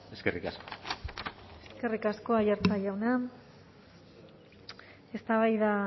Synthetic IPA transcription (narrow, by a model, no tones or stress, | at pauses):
eskerikasko̥ | eske̞rikasko̞aʝaɾt͡saʎawna | e̞st̪aβajða